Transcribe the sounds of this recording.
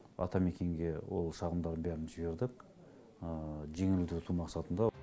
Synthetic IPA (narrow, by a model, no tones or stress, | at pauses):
ɑ̰t̪ɑme̞kʲe̞ŋɡʲe̞wo̞̰lˠʃɑʁəmd̪ɑɾənbæɾɪnʒɪbe̞ɾd̪ɪk | əʒe̞ŋɪlud̪ɪɾt̪ʰumɑqsɑt̪ənd̪ɑ